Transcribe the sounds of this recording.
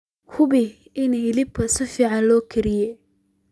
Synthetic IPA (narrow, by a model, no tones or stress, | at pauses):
hʊbɪ | ɪnɪlɪb̚kʰɐsɪfiːʕɑnlɔːkʰɪɾɪjɛ